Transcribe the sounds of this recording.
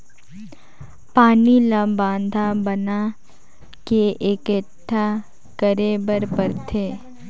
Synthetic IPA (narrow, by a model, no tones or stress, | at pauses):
paːnilɐ̃bãːnd̪ʱabɐna | keʔekeʈʰːa | kəɾebəɾpəɾt̪ʰeː